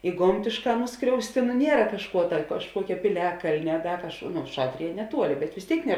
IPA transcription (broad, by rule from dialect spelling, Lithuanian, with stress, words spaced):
ɪ ˈɡoːmʲtʲeːʃˌkɑː ˈnʊskrʲɛʊsʲtʲɪ nʊ ˈnʲiɛrɐ kɐʃˈkuɔ tɐ kɐʃˈkuɔkʲɛ pʲɪˈlʲæːkɐlʲnʲɛ ɐ ˈdɐ kɐʃˈkuɔ nʊ ˈʃɑːtʲrʲɪjɛ nʲɛˈtuɔlʲɪ bʲɛt ʋʲɪs ˈtʲeːɪk nʲɛ